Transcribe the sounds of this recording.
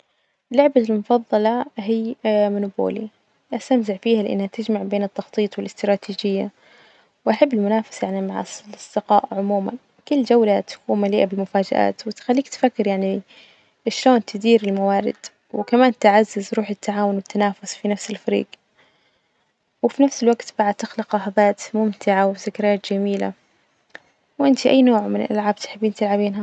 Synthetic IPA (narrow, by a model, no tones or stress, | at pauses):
lːʊʕbalmʊfɑðˤːɑlɑɦiːmʊnuːbo̰ːli | ʔast̪amzɪʕfiːhalɪʔa̰nːhat̪ɪd͡ʒmaʕbeːnɪt̪ːɑxt̪ˤiːt̪ˤwɪlɪst̪ɾˤɑːt̪iːd͡ʒɪjːa̰ | wʔaħabːɪlmʊnaːfɪ̥sjaʕnimaʕa̰slʔɑsˤd̪̥ɪqɑ̰ːʔʕʊmuːma̰n | kʊlːd͡ʒawlat̪ḁkuːnmaliːʔabɪlmʊfaːd͡ʒa̰ʔa̰ːt̪wɪt̪xalːiːkt̪fakːɪɾjaʕni | ʃloːnt̪ʰɪd̪iːɾɪlmawaːɾɪ̰d̪̥ | wɪkamaːnt̪ɪʕazːɪzɾuːħɪt̪ʰːaʕaːwʊnwɪt̪ʰːanaːfʊsfinafsɪlfaɾḭːɡ | wɪfinafsɪlwaɡt̪baʕad̪̚t̪ɪxlɪqɑħɑðˤɑːt̪mʊmt̪ɪʕawθɪkɾaːt̪d͡ʒamiːla̰ | wʔɪnt̪iʔajːnoːʕmɪnɪ̰lʔa̰lʕaːb̚t̪ħɪbːiːnt̪ɪlʕabiːnɦa